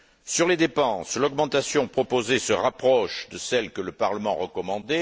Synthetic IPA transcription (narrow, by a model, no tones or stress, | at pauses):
syʁled̪epɑ̃slɔɡmɑ̃t̪asjɔ̃pχɔpozesəʁapχɔʃd̪əsɛlkələpaʁləmɑ̃ʁəkɔmɑ̃d̪e